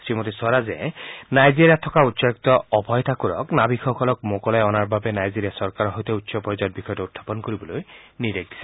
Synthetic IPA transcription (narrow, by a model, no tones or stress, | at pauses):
sɹimot̪isaɾazḛnajziɾiat̪ʰɔkautːsɔk̚t̪ɔɔbʱɔjt̪ʰakuɾɔ̰knabikʰɔkʰɔlɔkmokɔlajɔnaɹbabenajziɾijasɔɾkaɾɔɦɔjt̪ɔutːsɔpɔid͡ʒad̚bikʰɔjɔʈɔut̪ʰːḁpɔnkoɾibɔlojniɾek̚d̪isʰɛ